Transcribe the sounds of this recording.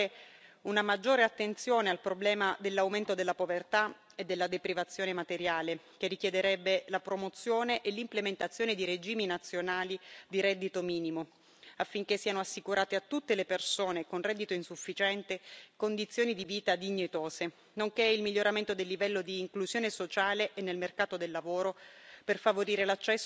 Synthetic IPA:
unamad͡ʒːoːɾeat̪ːent̪sjoːnealpɾoblɛːmad̪elːawment̪od̪elːapovert̪a | ed̪ːelːad̪epɾivat̪sːjoːnemat̪eɾjaːle | k̟erik̟jed̪eɾɛbːelapɾomot̪sːjoːneʔelːimplement̪at̪sːjoːned̪iɾed͡ʒiːminat̪sːjonaːlid̪iɾɛd̪ːit̪omiːnimo | afːiŋk̟esːiːanoasːikuɾʔaːt̪eat̪ːut̪ːelepersoːnekonrɛd̪ːit̪oinsufːit͡ʃɛnt̪ekond̪it̪sːjoːnid̪iviːt̪ad̪iɲːet̪oːse | noŋkeilmiʎːoɾament̪od̪elːivɛlːod̪iːŋkluzjoːnesot͡ʃaːleʔenːelmerkaːt̪od̪elːavoːɾoperfavoɾiːɾelat͡ʃːɛsː

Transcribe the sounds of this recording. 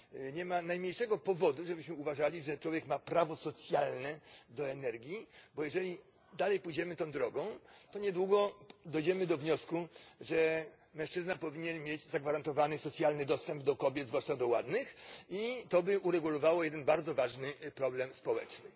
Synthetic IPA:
ɲɛmanajmɲejʂɛɡɔpɔvɔd̪uʐɛbɘɕmɘuvaʐalʲiʐɛt͡ʂwɔvʲjɛkmapɾavɔsɔt̪sʲjalnɛd̪ɔɛnɛɾɡʲjibɔjɛʐɛlʲi | d̪alɛjpujd͡ʑɛmɘt̪ɔ̃w̃d̪ɾɔɡɔ̃w̃t̪ɔɲɛd̪wuɡɔd̪ɔjd͡ʑɛmɘd̪ɔvɲɔskuʐɛ | mɛ̃ʂt͡ʂɘznapɔvʲiɲɛnmʲjed͡ʑzaɡvaɾant̪ɔvanɘsɔt̪sʲjalnɘd̪ɔst̪ɛmbd̪ɔkɔbʲjɛd̪zvwaʂtad̪ɔwa̰d̪nɘxit̪ɔbɘʔuɾɛɡulɔvawɔjɛd̪ɛnbaɾd̪zɔvaʐnɘpɾɔblɛmspɔwɛ̰t͡ʂnɘ

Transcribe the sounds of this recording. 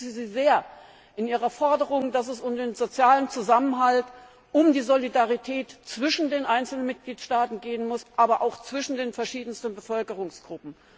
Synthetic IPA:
ziziːzeːɐ | ʔɪnʔiːʁɐfɔɐdəʁ̞ʊŋdas̬ɛsʊmdeːnzot͡sjaːlənt͡suzamənɦalt | ʔʊmdiːzolidaʁitʰɛːtt͡sv̥ɪʃn̩deːnʔaɪnt͡sl̩nənmɪt̚ɡ̥liːtʃtaːtn̩ɡeːənmʊsʔaːbɐʔaʊxt͡sv̥ɪʃn̩deːnfɛɐʃiːdn̩stən̩bəfœlkəʁʊŋsɡ̥ʁʊpm̩

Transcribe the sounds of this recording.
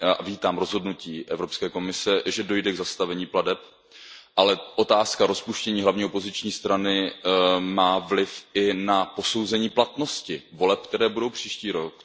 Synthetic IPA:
javiːt̪aːmɾo̞zɦo̞dnuciːʔɛvɾo̞pskɛːko̞mɪsɛʒɛdo̞jdɛɡzast̪avɛɲiːpladɛp̚ | ʔalɛʔo̞t̪aːskaɾo̞spuʃcɛɲiːɦlavɲiːopo̞zɪt͡ʃɲiːst̪ɾanɪ | maːvlɪfɪnapo̞so̞wzɛɲiːplat̪no̞scɪvo̞lɛp̚kt̪ɛɾɛːbudo̞wpr̝̥iːʃciːɾok

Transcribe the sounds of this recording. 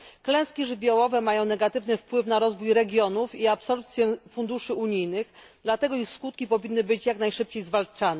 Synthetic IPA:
klɛ̃w̃skʲiʐɘbʲjɔwɔvɛmajɔ̃w̃nɛɡat̪ɘvnɘfpwɘfnaɾɔzvujɾɛɡʲjɔnufiapsɔlp̚t̪sʲjɛfund̪uʂɘuɲijnɘɣd̪lat̪ɛɡɔixskut̪̚kʲipɔvʲinːɘbɘt͡ɕjaknajʂɘp̚t͡ɕejzvalt͡ʂanɛ

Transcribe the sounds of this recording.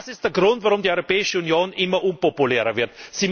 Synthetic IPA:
sɪstd̥eːɐɡʁʊntvaʁʊmdiːʔɔʏʁopɛːɪʃəunjoːnʔɪmɐʔʊnpopuleːʁɐvɪɐtz̥iː

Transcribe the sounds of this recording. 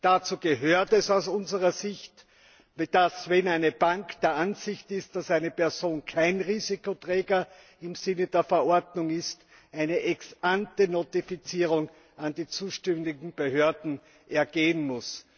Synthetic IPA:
d̥at͡suːɡ̥əɦøːɐtɛsaʊsʊnzəʁɐzɪçt | d̥asvɛnæɪnəbaŋkd̥eːɐanz̥ɪçtɪst̚d̥asæɪnəpɛɐzoːnkʰaɪnʁiːzikotʁ̥ɛːɡɐ | ɪmz̥ɪnəd̥eːɐfɛɐʔɔɐdnʊŋɪst | ʔaɪnəʔɛksʔantənotifit͡siːʁʊŋ | andiːt͡suːʃtɛmdɪɡŋ̩b̥əɦøːɐdn̩ | ʔɛɐɡeːənmʊs

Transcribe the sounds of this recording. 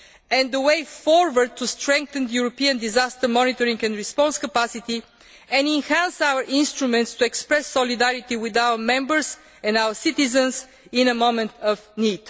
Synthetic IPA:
ɛ̃nd̪əweɪfɔɹwəɹd̪̚t̪ʰːust̪ɹɛ̃ŋk̚θə̃nd̪əjuɹɔpiə̃nd̪izast̪əmɔnit̪ɔɹĩŋɡɛ̃nɹispɔ̃nskəpasit̪i | ɛ̃nɛ̃nhæ̃nsawəɹʔɪ̃nst̪ɾumɛ̃nt̪st̪uɛkspɹɛsːɔlid̪æɹit̪iwɪðawə˞mɛ̃mbəɹz | ɛ̃ndawəsit̪izə̃ns | ɪ̃nəmõmɛ̃nt̪ʰəvnid̪̥

